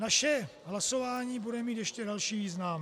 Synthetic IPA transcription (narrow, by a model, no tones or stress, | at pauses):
naʃɛɦlaso̞vaːɲiːbudɛmiːt̪jɛʃcɛdalʃiːviːznaːm